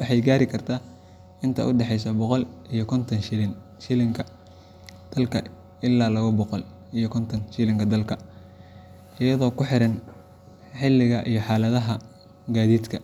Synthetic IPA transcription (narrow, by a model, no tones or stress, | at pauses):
wɑħɑjɡaːɾɪkʰɐrt̪ʰaː | ɪnt̪ʰɐ̰ʔʊɖɛħɛjs̬ɐbɔqɔlijɞkʰɔnt̪ʰɐn | ʃɪlɪŋkʰɐ | d̪̥ɐlkʰɐ | ɪlːaːlɐɣɐbɔqɔl | ijkʰɔnt̪ʰɐnʃɪlɪŋkʰɐd̪ɐlkʰɐ | ʔɪjɐðɔːkʰʊħɪɾɐn | ħɪlːɪɣɐʔijɞħɑːlɐðɐɦɐ | ɡaːðiːd̪kʰɐ